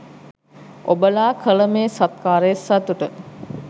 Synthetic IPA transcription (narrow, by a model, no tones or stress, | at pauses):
obəlaːkʰələmeːsat̪̚kaːɾəjesat̪uʈə